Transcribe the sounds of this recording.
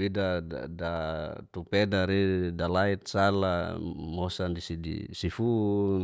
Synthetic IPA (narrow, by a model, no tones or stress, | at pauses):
idaa̰dat̪upedaɾidalait̪̚sala̰mosandisidḭsifu